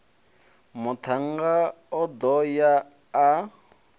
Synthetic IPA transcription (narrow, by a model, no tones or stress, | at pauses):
mʊt̪ʰaŋɡaɔd̪ɔjaː